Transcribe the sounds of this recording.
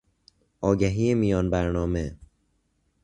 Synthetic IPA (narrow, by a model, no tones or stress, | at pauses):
ʔɒːɡæɦiːemijɒːnbæɾnɒːme